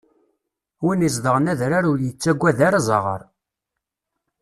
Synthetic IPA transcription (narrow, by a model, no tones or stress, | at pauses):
winis̬d̪əʁnæðɾaɾʊljət͡sːæɡʷːæðaɾzˤɑ̰ʁə̰ɾˤ